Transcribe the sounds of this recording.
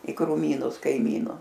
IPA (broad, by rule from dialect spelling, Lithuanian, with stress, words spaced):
ɪ krʊˈmʲiːnʊs kɐɪˈmʲiːnʊ